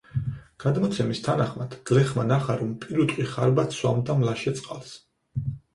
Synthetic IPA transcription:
ɡ̥ad̪mɔt̪sʰɛmist̪ʰanaχmad̪̥ɡ̥lɛχmanaχaɾɔmpʼiɾut̪ʼqʼwiχaɾbat̪swamd̪amlaʃɛt̪sʼqʼalˠs

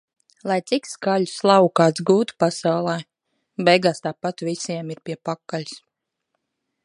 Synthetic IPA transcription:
lˠajt̪sikskaʎuslˠawkaːt̪sɡuːt̪u̥pasawlˠɛː | bɛjɡaːst̪aːpat̪visiɛmiɾpʲiɛpakːalʲs

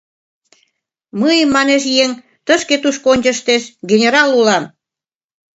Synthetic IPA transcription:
məjəmːɑneʃ̬jeŋ | t̪əʃket̪uʃkonʲd͡ʑə̆ʃt̪eʃɡenʲeɾɑlulɑm

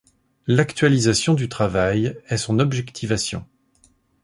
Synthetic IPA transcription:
lakt̪ɥalizasjɔ̃d̪yt̪χavajɛsɔ̃nɔbʒɛkt̪ʰivasjɔ̰̃

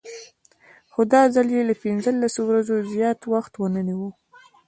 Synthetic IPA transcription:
xod̪ɑzəljelapinzəlːasowɾazozjɑt̪waxt̪wənəniwu

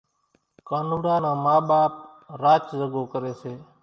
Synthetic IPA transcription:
kaːnuːɽãːnãːmaːɓaːp̚ | ɾaːt͡ʃzəɡoːkəɾeːseː

